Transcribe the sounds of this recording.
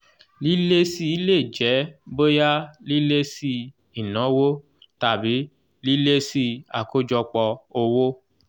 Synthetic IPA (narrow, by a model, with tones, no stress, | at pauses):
li˦le˦si˦i˦le˦˨d͡ʒɛ˨˦bo˦ja˦li˦le˦si˦ | i˨nɔ̃˨˦wo˦ | ta˨bi˨˦ | li˦le˦si˦a̰˨ko˦d͡ʒɔ˧k͡pɔ˧o˧wo˦